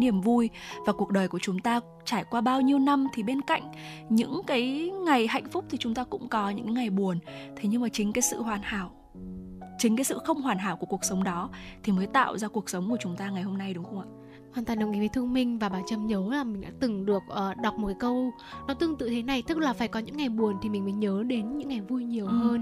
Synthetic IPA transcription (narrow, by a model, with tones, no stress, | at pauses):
ni˧˩əmvu˧jvaː˨˩ku˨˩ək̚ɗəː˨˩jku˧˩ət͡ɕʊ˨˦ŋ͡mt̪aː˧ | t͡ɕaː˧˩jkwaː˧ɓaː˧wɲi˧əwna˧mt̪ʰi˨˩ɓe˧nka̰˧˨jŋ̟ɲɨ̰˧˥ŋkaː˨˦jŋa˨˩jɦa̰˧˨jŋ̟fʊ˦˥k͡p̚t̪ʰi˨˩t͡ɕʊ˨˦ŋ͡mt̪aː˧kʊ̰˧˥ŋ͡mkɔ˨˦ɲɨ̰˧˥ŋka˨˦jŋa˨˩jɓu˨˩ənt̪ʰe˨˦ɲɨ˧ŋmaː˨˩t͡ɕï˨˦ŋ̟kaː˨˦jsɨ̰˧˨hwaː˨˩nha̰ː˧˩w | t͡ɕï˨˦ŋkaː˨˦sɨ̰˧˨xə˧wŋ͡mhwaː˨˩nɦaː˧˩wku˧˩əku˨˩ək̚sə˨˦wŋ͡mɗɔ˨˦t̪ʰi˨˩məː˨˦jt̪a̰ː˧˨wzaː˧ku˨˩ək̚sə˨˦wŋ͡mku˧˩ət͡ɕʊ˨˦ŋ͡mt̪aː˧ŋa˨˩jho˧mna˧jɗʊ˨˦ŋ͡mxə˧ŋ͡mʔa̰ː˧˨ | hwaː˨˩nt̪waː˨˩nɗə˨˩wʔi˨˦və˨˦t̪ʰɨ˧əŋmï˧ŋ̟vaː˨˩ɓaː˨˩t͡ɕə˨˧˩mɲə˨˦laː˨˩mï˨˩ŋ̟ɗa̰ː˧˥t̪ɨ˨˩ŋɗɨ˨˩ək̚ʔəː˨˩ɗa˨˩wk͡p̚m˨˩t̚kaː˨˦kə˧w | nɔ˨˦t̪ɨ˧əŋt̪ɨ̰˧˨t̪ʰe˨˦na˨˩jt̪ɨ˦˥k̚laː˨˩faː˧˩jkɔ˨˦ɲɨ̰˧˥ŋːa˨˩jɓu˨˩ənt̪ʰi˨˩mi˨˩ŋ̟məː˨˦jɲəː˨˦ɗe˨˦nɲɨ̰˧˥ŋːa˨˩jvu˧jɲi˨˩əwhəː˧n